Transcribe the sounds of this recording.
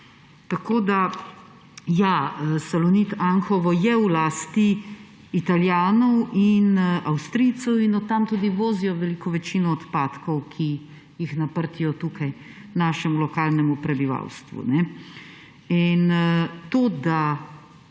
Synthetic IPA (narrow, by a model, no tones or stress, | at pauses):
t̪akoːd̪a | jaəsalɔnit̪aŋxɔʋɔjɛwlaːst̪iː | t̪aljaːnɔwinawst̪ɾit̪sɔwinɔt̪ːamt̪ud̪iʋoːzijɔʋɛlikɔʋɛt͡ʃinɔːt̪paːt̪kɔwkʰi | jixnapəɾt̪ijɔt̪uːkaj | naːʃɛmulɔkaːlnɛmupɾɛbiʋa̰wst̪ʋṵnɛ | int̪oːd̪a